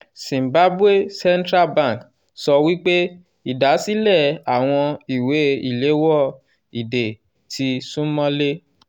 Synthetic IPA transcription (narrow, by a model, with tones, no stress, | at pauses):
sĩ˨m˨ba˦bwe˦˨sɛ˦n˦tɾa˦˨bã˦˨k | sɔ˧wi˦k͡pe˦ | i˦˨da˨˦si˦lɛ˦˨a˨w̃ɔ̃˧i˨we˨˦i˨le˨˦wɔ˦˨ | i˨de˨ | tʰi˧sũ˦mɔ̃˦le˦